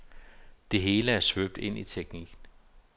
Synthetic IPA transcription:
d̥e̝ɦe̝ːləæɐsʋøb̥̚d̥e̝n̰ʔit͡sʰeɡ̥niɡ̥n̩

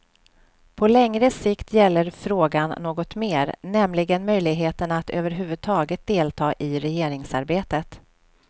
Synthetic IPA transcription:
pʰɔlɛŋɾəsɪkt̪ʰjɛlːəɾfɾoːɡanːoːɡɔt̪meːɾnɛmlɪɡənmœjlɪɡɦeːt̪əɳaat̪ø̰ːvəɾɦʉ̟ːvɵd̪̚t̪ʰɑːɡət̪̚d̪eːlt̪ʰɑːʔɪɾɛjeːɾɪŋsaɾbeːt̪ət̪

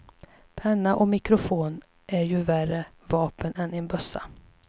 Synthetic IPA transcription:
pʰɛnːaʔɔmɪkɾʊfoːn | ʔæɾjɵværə | vɑːpənɛnɪnbœsa̰

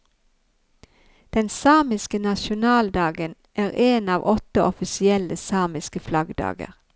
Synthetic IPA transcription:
d̪̥ɛnsɑːmɪskənɑʃʊnɑːld̪ɑːɡən | ʔæːʁeːnɑːʋʔɔt̪əʔɔfɪsɪɛləsɑːmɪskəflɑɡd̪ɑ̰ːɡə̰ʁ

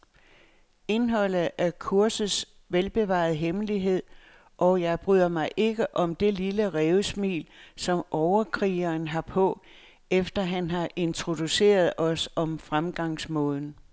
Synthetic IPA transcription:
e̝nɦɒ̽l̰ð̩ˠæɐkʰuɐsð̩ˠs | ʋelb̥e̝ʋɑ̰̈ːð̩ˠɦemliɦe̝ð̰ˠ | ʔɒ̽jɑ̈ɪb̥ʁyð̰ˠɐmɑ̈ɪʔe̝ɡ̥əʔɒ̽md̥e̝liləʁɛːʊəsmḭːlsɒ̽mʔɒʊɐkʰʁiːɐːnɦɑ̈pʰɔ̽ | efd̥ɐɦænɦɑ̈ʔe̝nt͡sʰʁo̝d̥use̝̰ːɐð̞ˠɒ̽sɒ̽mfʁamɡ̥ɑ̈ŋsmɔ̽ːð̞ˠn̩

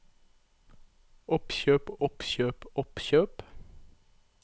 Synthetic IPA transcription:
ʔɔpçøːpɔpçøːpɔpɕøːp

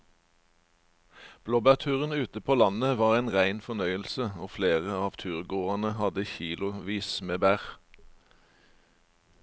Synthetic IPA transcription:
b̥loːbæʁt̪ʰʉːʁənʉːt̪əpʰoːlɑnəʋɑːʁæːnʁæɪnfɔnœʏəlsəoːfleːʁəɑːʋt̪ʰʉːʁɡoːʁɑnəhɑd̪əçiːlʊʋiːsmeːbæːʁ

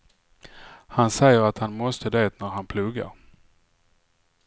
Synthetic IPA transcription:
hansɛjːəɾat̪hanmɔst̪əd̪eːt̪næɾhanpʰlɵɡːa̰ɾ

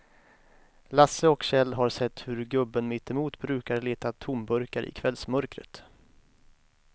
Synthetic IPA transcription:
lasːəɔkɕɛlːɦaɾsɛt̪ːhɵɾɡɵbːənmɪt̪ːɪmuːt̪bɾʉ̟ːkaɾɭeːt̪at̪ʰʊmbɵɾkaɾʔɪ̰kʰvɛlsmœɾkɾə̰t̪

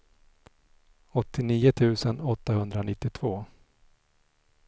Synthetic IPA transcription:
ɔt̪ːɪniːʊt̪ʰʉ̟ːsənɔt̪ːahɵnd̪ɾanɪt̪ːɪt̪ʰv̥oː

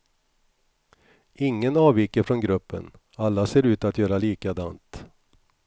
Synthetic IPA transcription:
ɪŋːənɑːviːkəɾfɾɔnɡɾɵpːə̰n | alːaseːɾʉ̟ːt̪at̪jœːɾaliːkad̪ant̪

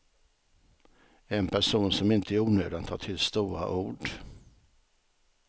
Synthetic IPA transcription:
ɛnpʰæʂuːnsɔmɪnt̪ʰəæɾuːnø̰ːd̪ant̪ʰɑ̰ːʈʰɪlst̪uːɾa̰ʔuːɖ

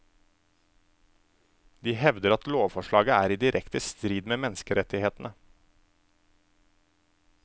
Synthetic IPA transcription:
d̪iːhɛʋd̪əɾɑt̪loːʋfɔʃɭɑːɡəæːɾiːd̪ɪɾʔɛkt̪əst̪ɾiːd̪meːmɛnskəɾɛt̪ɪheːt̪n̩ə

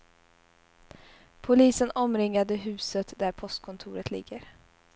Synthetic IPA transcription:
pʰʊliːsənɔmɾɪŋːad̪əɦʉ̟ːsət̪d̪æɾpʰɔst̪̚kʰɔnt̪ʰuːɾət̪lɪ̰ɡːəɾ

